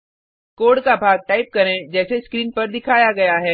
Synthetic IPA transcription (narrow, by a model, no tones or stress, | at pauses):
koːɖkabʱaːɡ̚ʈaːɪp̚kɐɾẽd͡ʒɛːseskɾiːnpɐɾd̪ɪkʰaːjaɡɐjaɦɛː